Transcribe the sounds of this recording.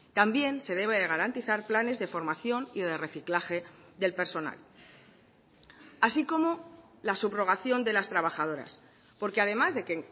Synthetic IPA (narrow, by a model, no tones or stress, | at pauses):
t̪ambje̞nse̞ð̞e̞β̞eðe̞ɣ̞aɾant̪iθaɾplane̞zðe̞fo̞ɾmaθjo̞niðe̞re̞θiklaxe̞ðe̞lpe̞ɾso̞na̰l | asiko̞mo̞ | lasuβro̞ɣ̞aθjo̞nd̪e̞last̪ɾaβ̞axað̞o̞ɾa̰s | po̞ɾkeaðe̞mazðe̞keŋ